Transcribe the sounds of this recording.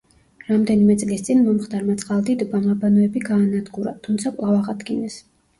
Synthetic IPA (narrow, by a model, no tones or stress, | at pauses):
ɾamd̪ɛnimɛt̪sʼlist̪sʼinmɔmχd̪aɾmat̪sʼqʼalˠd̪id̪ɔbamabanɔɛbiɡaːnad̪ɡuɾa̰t̪ʰːumt̪sʰakʼlˠavaʁad̪ɡinɛs